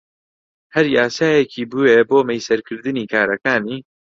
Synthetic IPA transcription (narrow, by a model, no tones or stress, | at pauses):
hɐɾjaːsaːjekʰiːbuweboːmɛjsɐɾkʰɨɾd̪ɨniːkaːɾɐkaːniː